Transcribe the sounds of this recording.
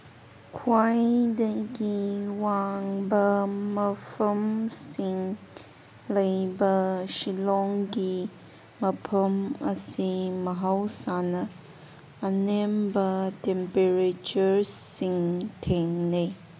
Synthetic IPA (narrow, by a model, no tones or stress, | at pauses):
kʰwajdəɡiwaŋbəməfəmsiŋ | ləjbəʃilɔŋɡi | məpʰəməsiməɦawsanə | anɛmbətɛmpeɾet͡ʃuɾsiŋtʰeŋne